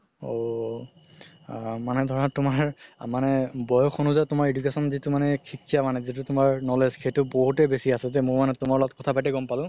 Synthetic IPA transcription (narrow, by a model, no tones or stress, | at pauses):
o | manɛdʱɔɹɔnatʊmaɹmanɛbɔjɔxʰonuzatʊmaɹedukesɔnzitumanɛkʰikijamanɛzit̬ʊtʊmaɹnɔleskejtʊboɦutɛbesiasɛzɛmʊɹmanɛtʊmaɹlɔɔt̚kɔtʰapajtɛɡɔmpalʊ̃